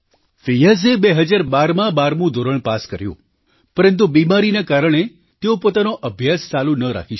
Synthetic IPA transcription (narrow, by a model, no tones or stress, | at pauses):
fijəzebeɦəd͡ʒaɾbaɾmãbaɾmũd̪ʱoɾəɭpaskəɾjṵ̃ | pəɾənt̪̬ubimaɾinakaɾəɳ̃e | t̪eopot̪anoʔəbʱjast͡ʃalunəɾa̰kʰiʃ